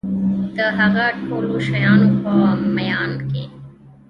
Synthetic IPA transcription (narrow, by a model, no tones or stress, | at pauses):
t̪əɦɐɣaʈʰoːluʃɐjaːnupɐmɐjaːnkḛ